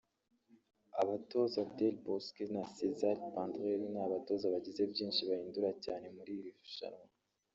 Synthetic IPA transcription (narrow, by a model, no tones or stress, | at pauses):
aβato̞zabdelboskinasezaɾpãndʁeɾinaːβato̞zaβaɟize̞bɟiːnʃiβahiːnduɾacaːne̞muɾiɾifu̥ʃa̰ɾo